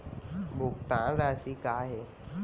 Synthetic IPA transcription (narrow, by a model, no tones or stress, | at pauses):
bʱukt̪ãnɾasikaɦe